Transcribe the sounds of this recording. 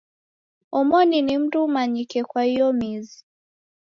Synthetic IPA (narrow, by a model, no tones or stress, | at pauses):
ɔmɔninim̩dumaɲikɛkwahijɔmizi